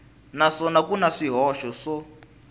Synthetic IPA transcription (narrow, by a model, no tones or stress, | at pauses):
naʂɔnakunaʂiɦɔʃɔʂɔ